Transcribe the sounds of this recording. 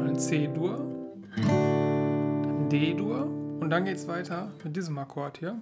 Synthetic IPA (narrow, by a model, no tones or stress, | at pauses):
nt͡seːduɐ | andeːduːɐʊnt̚d̥anɡeːtsv̥aɪtʰɐmɪt̚d̥iːzəmɐkʰɔɐthiːɐ